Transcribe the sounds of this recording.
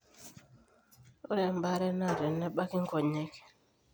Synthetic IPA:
o˦ɾɛ˨m˦ba˦ɾɛ˦na˦˨ɾɛ˨nɛ˦ɓa˦ki˦ŋ̩˦kɔ˨ɲɛ˦kɛ̥˨

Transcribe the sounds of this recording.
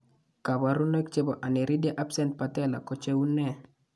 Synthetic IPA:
ka˨ba˨ɾu˦nɛ˦kt͡ʃe˦bɔ˨ʔa˨ne˨ɾi˦de˦ʔa˦psɛ˦nt̚pa˨tɛ˦la̰˨ko˦t͡ʃe˦u˦nɛ˦˨

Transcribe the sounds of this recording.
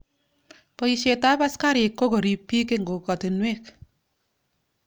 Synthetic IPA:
po˦i˨ʃe˨ta˦pa˦ska˦ɾɪ˨kːo˦ko˨ɾi˨pːi˦ke˦ŋɡo˨kɔ˨te˨nwe˦k

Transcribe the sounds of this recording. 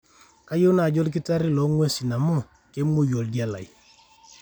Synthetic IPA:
ka˦jo˦na˨ɟɔ˦lk̬i˦ta˦ɾi˦lɔ˨˦ŋwe˦si˨na˨mɔ˦˨ | ke˦mu˦jo˨lɡa˦la̰˨j

